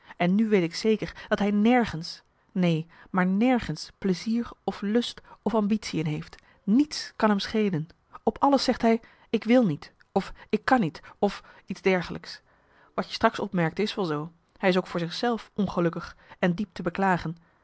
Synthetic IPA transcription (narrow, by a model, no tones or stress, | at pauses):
ʔɛnːyʋejtɪksejkəɹd̥ɑtɦɛjnɛɹχəns | nejmaːɹnɛɹχənspləziːɹɔflɵstɔfɑmbitsiənɦejft | nitskɑnɦɛmsχejlən | ɔpɑləsɛχtɦɛj | ɪkʋɪlˠnit | ɔfɪkːɑnitɔf | idzdɛɹχəlʔəks | ʋɑtjə̥strɑksɔpmɛɹk̚tɪsʋɛlˠzow | hɛjɪs̬owkfʊːɹzɪχsɛlˠfʔɔnχəlɵkəχɛndip̚təbəklaːχən